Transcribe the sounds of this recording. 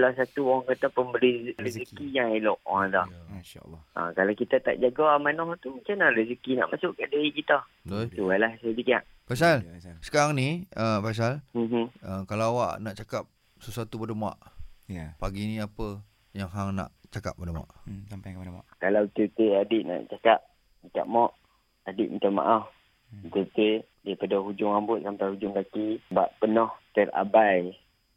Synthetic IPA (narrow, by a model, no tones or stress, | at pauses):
kalasat̪uoɾaŋkat̪apəmlizɾiikkijaŋelɔʔad̪ahʃa̰lʔa̰kalawkit̪at̪a̰ʔd͡ʒaɡamanɔht̪umat͡ʃamnaɾizikina̰ʔmasʊʔkaʔdaikit̪a | d̪t̪ualahsadikiaʔ | pasalsə̥kaɾaŋnĩəfas̬alm̩ɦ̩əkalaawa̰ʔnaʔt͡ʃakap̚ | səsat̪ubədəma̰ʔ | paɡiniapə | jaŋɦaŋna̰ʔt͡ʃaka̰p̚badama̰ʔsampajkəpadama̰kalawt̪ət̪eadiʔna̰ʔt͡ʃakap̚ | ika̰ʔ̚mɔʔ | adɪʔmət̪ama̰ʔaf | t̪ət̪e | daipadaɦud͡ʒʊŋambʊt̪̚sampajhud͡ʒʊŋkakibaʔpənɔht̪əɾa̰baj